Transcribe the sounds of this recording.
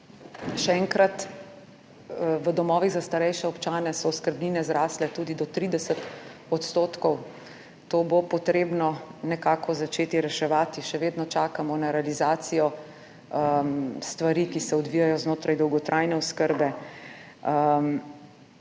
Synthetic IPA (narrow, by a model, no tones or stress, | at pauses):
ʃɛɛŋkɾat̪ | ʋəd̪ɔmɔːʋiɣzast̪aɾɛjʃɛɔpt͡ʃaːnɛsɔuskəɾbniːnɛzɾaːslɛt̪uːd̪id̪ɔt̪ɾiːd̪ɛsət̪ɔt̪st̪oːt̪kɔw | t̪oːbopɔt̪ɾeːbnɔnɛkaːkɔzat͡ʃeːt̪iɾɛʃɛʋaːt̪iʃɛʋeːd̪nɔt͡ʃaːkamɔnaɾɛalizaːt̪sijɔ | st̪ʋaɾikisɛɔd̪ʋijajɔznoːt̪ɾajd̪ɔwɡɔt̪ɾʔajnɛɔskəɾbɛ